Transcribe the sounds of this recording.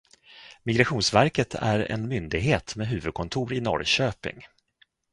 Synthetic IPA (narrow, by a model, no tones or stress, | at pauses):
mɪɡɾaɧuːnsvæɾkət̪ʰæ̰ɾɛ̰nmʏnd̪ɪɡɦeːt̪meːɦʉ̟ːvɵd̪̚kʰɔnt̪ʰuːɾɪnɔ̰ɾɕøːpɪ̰ŋ